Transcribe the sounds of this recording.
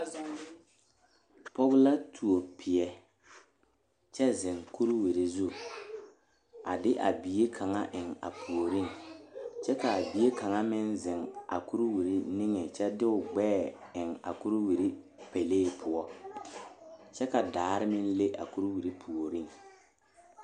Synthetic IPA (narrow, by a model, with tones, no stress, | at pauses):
pɔ˦ɣla˦tʰu˨o˨pʰɪ˨ɛ˦ | t͡ʃɛ˦zɪ˨ŋku˦ɾwi˨ɾi˨zu˦ | a˨dɪ˦ʔa̰˨bi˨je˦kʰa˨ŋa˦ʔɪ˨ŋa̰˨pʰu˨o˨ɾi˦ŋ | t͡ʃɛ˦ka˨a˨bi˨e˦ka˨ŋa˦mɪ˦nzɪ˨ŋa̰˨ku˦ɾwi˨ɾi˦ni˦ŋe˨t͡ʃɛ˦dɪ˦ʊ˨ɡ͡bɛː˦˨ɪ˨ŋa̰˨ku˦ɾwi˨ɾi˦ | pe˨leː˦˨pʰʊ˨ɔ˦ | t͡ʃɛ˦ka˨daː˨ɾɪ˦mɪ˦n˦le˦ʔa̰˨ku˦ɾwi˨ɾi˦pʰu˨o˨ɾi˦˨ŋ